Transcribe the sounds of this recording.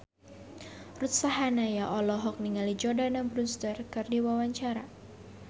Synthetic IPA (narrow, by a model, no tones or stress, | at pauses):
rut̪̚saɦanajaʔɔlɔɦɔk̚niŋalid͡ʒɔdanambɾunst̪ərkɨrdiwawaɲt͡ʃaɾa